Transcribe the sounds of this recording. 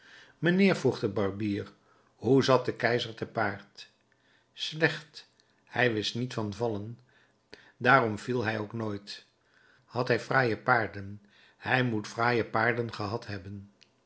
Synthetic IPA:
mənɪːɹvruχdəbɑɹbiːr | ɦuzɑt̚dəkɛjzəɹtəpaːɹt | slɛχt | hɛjʋɪstnitfɑnvɑlən | daːrɔmv̥ilˠɦɛjowknoːjt | hɑtɦɛjfraːjəpaːɹdən | hɛjmutfraːjəpaːɹdənχəɦɑtɦɛbən

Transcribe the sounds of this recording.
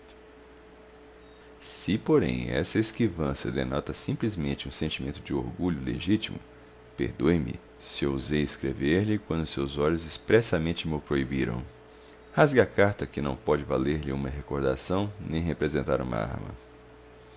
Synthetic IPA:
sɪpoɾḛ̃j̃ɛ̰sɐeskivɐ̃sjɐd̪ḛnɔt̪ɐsĩmplizmẽnt͡ʃɪũsẽnt͡ʃimẽnt̪ʊd͡ʒɪoɾɡuʎʊlḛʒit͡ʃimʊ̰ | pḛɾd̪ojmɪ̰ | sɪewuzejeskɾeveɾʎɪkwɐ̃nd̪ʊsewzɔʎʊzɪspɾɛsɐmẽnt͡ʃɪmɪʊpɾoibiɾɐ̰̃w̃ | hazɡɐakaɾt̪ɐkɪnɐ̃w̃pɔd͡ʒɪvaleɾʎɪũmɐɦekoɾd̪a̰sɐ̃w̃nẽj̃ɦepɾezẽnt̪a̰ɾũmɐ̰a̰ɾmɐ̰

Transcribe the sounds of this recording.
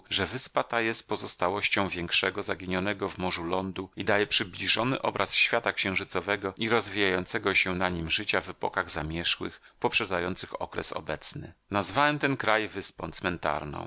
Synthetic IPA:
ʐɛvɘspat̪ajɛst̪̚pɔzɔst̪awɔɕt͡ɕɔ̃w̃vʲjɛŋkʂɛɡɔzaɡʲiɲɔnɛɡɔvmɔʐulɔnd̪uid̪ajɛpʂɘblʲiʐɔnɘ̰ʔɔbɾʔasɕfʲjat̪akɕɛ̃ʐɘt̪sɔvɛɡɔiɾɔzvʲijajɔnt̪sɛɡɔɕɛnaɲimʐɘt͡ɕavɛpɔ̰kaɣzamʲjɛʂwɘ̰x | pɔpʂɛd̪zajɔnt̪sɘxɔ̰kɾɛ̰sɔ̰bɛt̪snɘ̰nazvawɛmt̪ɛnkɾajvɘspɔ̃w̃t̪smɛnt̪a̰ɾnɔ̰̃w̃

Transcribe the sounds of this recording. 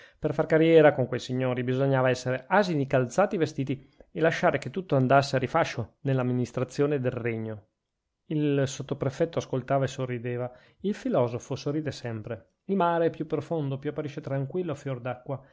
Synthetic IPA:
perfarkaɾjɛːɾakoŋkwejsiɲːoːɾibizoɲːaːvaɛsːeɾeʔaːzinikalt̪saːt̪ievest̪iːt̪i | elaʃaːɾeket̪ːut̪ːoand̪asːeaɾifaʃːonelːamːinist̪ɾat̪sːjoːned̪elreɲːo | ilsot̪ːopɾefɛt̪ːoaskolt̪aːvaesorːid̪eːva | ilfilɔːzofosorːiːd̪esɛmpɾe | ilmaːɾeɛpjupːɾofond̪opjuapːaɾiʃːet̪ɾaŋkwilːofjord̪akːwa

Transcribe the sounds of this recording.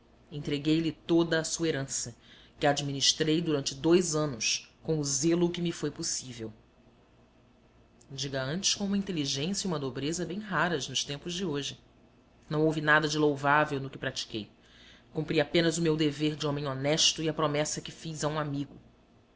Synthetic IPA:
ẽt̪ɾeɡejlɪt̪od̪ɐːsueɾɐ̃sɐ | kɪad͡ʒiminiʃt̪ɾejd̪uɾɐ̃nt͡ʃɪd̪ojzɐ̃nʊskõʊzelʊkɪmɪfojposivew | d͡ʒiɡɐɐ̃nt͡ʃɪ̥ʃkõũmɐĩnt̪eliʒẽsjɐiũmɐd̪obɾezɐbẽj̃ɦaɾɐznʊʃt̪ẽmpʊzd͡ʒɪoʒɪ | nɐ̃w̃owvinad̪ɐd͡ʒɪlowvavewnʊkɪpɾat͡ʃi̥kej | kũmpɾiapẽnɐzʊmewd̪eveɾd͡ʒɪõmẽj̃onɛʃt̪ʊiɐpɾomɛsɐkɪfizɐũamiɡʊ

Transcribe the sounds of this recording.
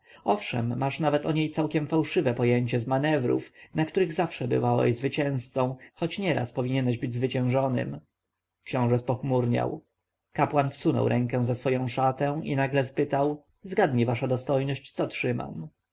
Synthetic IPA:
ɔfʂɛ̰mːaʂnavɛt̪ɔɲejt̪sawkʲɛmfawʂɘvɛpɔjeɲt͡ɕɛzmanɛvɾṵfnakt̪uɾɘɣzafʂɛbɘ̰vawɛ̰zvɘt͡ɕɛ̃w̃st̪sɔ̃w̃xɔt͡ɕɲɛɾa̰spɔvʲiɲɛnɛʑbɘd͡ʑzvɘt͡ɕɛ̃w̃ʐɔnɘ̰m | kɕɔ̃w̃ʐɛspɔxmuɾɲa̰w | kapwanfsunɔ̰wɾʔɛ̃ŋkɛ̃w̃zasfɔjɔ̃w̃ʂat̪ɛ̃w̃ḭnaɡlɛspɘt̪aw | zɡad̪ɲivaʂad̪ɔst̪ɔjnɔɕt͡ɕt̪sɔtʂɘma̰m

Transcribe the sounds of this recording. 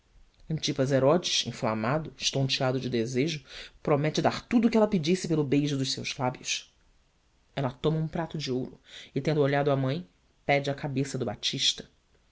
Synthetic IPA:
ɐ̃t͡ʃipɐzeɾɔd͡ʒɪʃḭ̃fla̰mad̪ʊʃt̪õt͡ʃiad̪ʊd͡ʒɪd̪ezeʒʊpɾomɛt͡ʃɪd̪aɾt̪ud̪ʊkɪɛlɐpid͡ʒisɪpelʊbejʒʊd̪ʊʃsḛwzlabjʊs | ɛlɐt̪õmɐũpɾat̪ʊd͡ʒɪowɾʊ̰ɪt̪ẽnd̪ʊoʎad̪ʊamɐ̃j̃ | pɛd͡ʒɪɐkabesɐd̪ʊbat͡ʃiʃt̪ɐ̥

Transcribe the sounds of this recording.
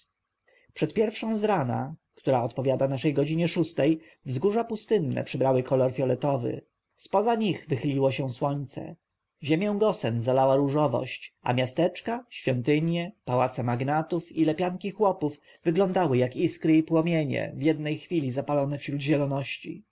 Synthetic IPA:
pʂɛt̪pʲjɛɾfʂɔ̃w̃zɾana̰kt̪uɾaɔt̪pɔvʲjad̪anaʂɛjɡɔd͡ʑiɲɛʂust̪ɛj | vzɡuʐapust̪ɘnːɛ̰pʂɘbɾawɘkʰɔlɔɾfʲjɔlɛt̪ɔvɘ̰ | spɔzaɲiɣvɘxɘlʲiwɔɕɛ̃swɔɲt̪sɛ̰ | ʑemʲjɔ̃w̃ɡɔsɛnzalawaɾuʐɔvɔ̰ɕt͡ɕa̰mʲjast̪ɛt͡ʂkaɕfʲjɔnt̪ɘɲjɛpawat̪sɛmaɡnat̪ufilɛpʲjaŋkʲixwɔpuv | vɘɡlɔ̃nd̪awɘjakiskɾɘipwɔmʲjeɲɛ̰vjɛd̪nɛjxfʲilʲizapalɔnɛfɕɾud̪ʑɛlɔnɔɕt͡ɕḭ

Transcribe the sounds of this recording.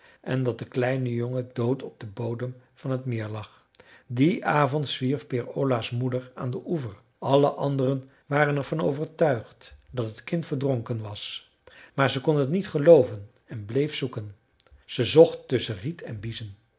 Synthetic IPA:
ʔɛndɑt̚dəklɛjnəjoŋədowtʰɔb̚d̥əbowdəmv̥ɑnɦətmɪːɹlɑχ | diʔaːvɔntsʋiɹfpɪɹolasmudəɹa̰ːndəʔuvəɹ | ʔɑləʔɑndərən | ʋaːrənɛɹv̥ɑno̰wvəɹtœɥχtdɑtɦətkɪntfəɹdrɔŋkənʋɑs | maːɹzəkɔnɦətnitχəlowvən | ɛnblejfsukən | z̥əzɔχtːɵsəritʰɛ̰nbizən

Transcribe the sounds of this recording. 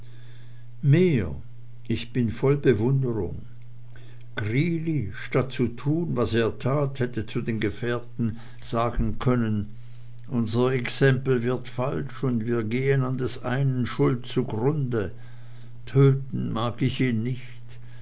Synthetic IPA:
meː | ʔɪçb̥ɪnfɔlbəvʊndəʁʊ̰ŋ | ɡ̥ʁiːliʃtat̚t͡sutʰuːnvaseːɐtʰaːthɛtət͡sudeːnɡəfɛːɐtn̩ | z̥aːɡn̩kʰœnən | ʔʊnzɐɛksɛmpl̩vɪɐtfalʃʊndviːɐɡeːənandɛsʔa̰ɪnənʃʊltt͡suɡʁʊndə | tʰøːtn̩maːɡɪçiːnːɪçt

